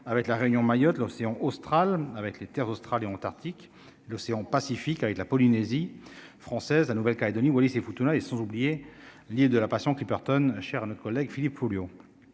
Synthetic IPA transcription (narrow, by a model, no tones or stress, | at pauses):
avɛklaʁeynjɔ̃majɔt̪lɔseɑ̃ʔost̪χalavɛklet̪ɛʁzost̪χaleɑ̃t̪aʁt̪ik | lɔseɑ̃pasifikavɛklapɔlinezifχɑ̃sɛzlanuvɛlkaled̪ɔniwalisefut̪unaesɑ̃zublije | lild̪əlapasjɔ̃klipɛʁt̪ɔnʃɛʁanɔt̪χəkɔlːɛɡfilipfoljo